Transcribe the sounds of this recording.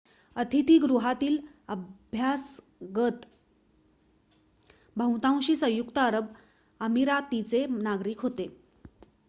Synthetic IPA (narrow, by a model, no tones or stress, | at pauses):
ət̪ʰit̪iːɡɾuɦat̪iːl | əbʱjas | ɡət̪ | bʱə̃wt̪ãw̃ɕiːsə̃jukt̪əəɾəb | əmiɾat̪it͡senaɡɾiːkɦot̪e